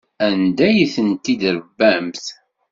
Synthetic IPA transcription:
ænd̪æjiθənt̪ːid̪ɾəvːæmθ

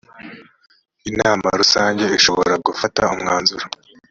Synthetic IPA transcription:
inaːma̰ɾusaːɲɟe̞iʃoβo̞̰ɾaɡufataumŋaːnzuɾa

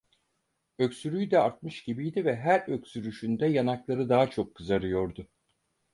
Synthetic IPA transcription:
ø̞ksyɾyjd̪ɛaɾt̪̚mɯʃɟ̥ibijd̪ivɛɦæɾø̞csyɾyʃynd̪ɛjanaklˠaɾɯd̪aɦat͡ʃʰo̞kʰːɯzaɾɯjo̞ɾd̪ʊ

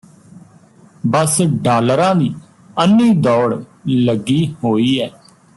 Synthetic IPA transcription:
bəsɖaːləɾãːd̪iː | ənːiːd̪ɔːɽləɡiːhoːiːɛː

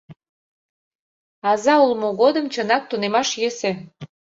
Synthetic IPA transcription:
ɑzɑulmoɣod̪əmt͡ɕənɑk̚t̪unemɑʃjese

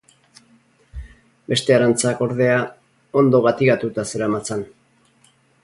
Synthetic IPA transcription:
be̞st̪e̞aɾant͡sako̞ɾð̞e̞a | o̞nd̪o̞ɣat̪iɣat̪ut̪ase̞ɾamat͡san

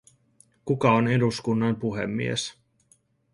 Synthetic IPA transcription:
kukɑone̞duskunːɑmpuɦḛmːḭḛs

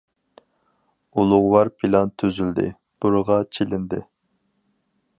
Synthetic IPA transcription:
ulˠʊʁwɑɾpʰilɑnt̪ʰːøzyld̪ɪ̰ | b̥uɾəʁɑt͡ʃʰelɪnd̪ɪ

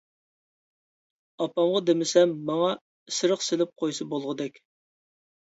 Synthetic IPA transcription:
ɑpɑmʁɑd̪emɪsɛmːɑŋɑ | sɨɾəqsɪlɪp̚qʰojsɨbolˠʁəd̪ɛkʲ

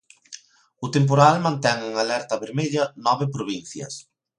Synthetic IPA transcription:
ʊt̪emp̬oɾalmãnt̪ɛŋeŋalɛɾt̪ɐβeɾmeʎɐnɔβɪpɾoβin̟θjɐ̰s

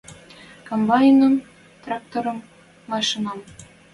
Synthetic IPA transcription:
kombɑjinəm | t̪rɑk̚t̪oɾɤ̆mː | ɑʃinɑm

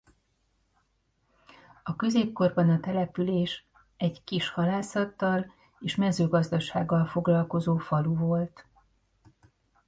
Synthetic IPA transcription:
ɒkø̞zeːp̚ko̞rbɒnɒt̪ɛlɛpyleːʃ | ɛɟkiʃhɒlaːsɒt̪ːɒl | eːʃmɛzøːɡɒzd̪ɒʃaːɡːɒlfo̞ɡlɒlko̞zoːfɒluvo̞lt̪

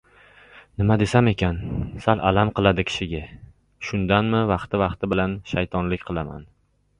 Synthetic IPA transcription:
nɪmad̪e̞same̞kʲʰansalʔalamqɨlˠad̪ɪkʲʰɪ̥ʃɪɡʲa | ʃʊnd̪anmɪvɑqt̪ɪvɑqt̪ɪbɪlanʃajt̪ʰɒnlɪkʲqʰɨlˠama̰n

